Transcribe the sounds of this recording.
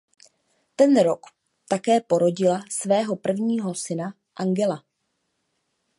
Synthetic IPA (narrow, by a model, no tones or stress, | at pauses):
t̪ɛnɾok | t̪akɛːpo̞ɾo̞ɟɪlasvɛːɦo̞pr̩vɲiːɦo̞sɪna | ʔaŋɡɛla